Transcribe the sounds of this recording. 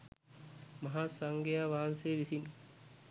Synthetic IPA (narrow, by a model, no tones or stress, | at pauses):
mɐɦaːsaŋɡejaːʋaːansejʋisin